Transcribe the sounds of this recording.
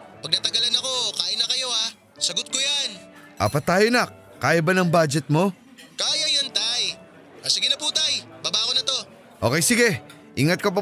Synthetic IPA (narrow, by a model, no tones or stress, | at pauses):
pɐɡ̚nɐt̪ɐɡɐlanɐko̞kaːʔɪnɐkɐjo̞a | sɐɡot̪̚kojan | ʔa̰ːpɐt̪ːaːjonak | kaːjɐbanɐŋbaːd͡ʒɛt̪̚mo̞ | kaːjɐjɐnt̪aj | ʔɐsɪɡɪnɐpuːt̪ajbaːbaːkonɐt̪o̞ | ʔo̞ːkɛjsɪɡɛ | ʔɪŋɐt̪̚kɐpɐ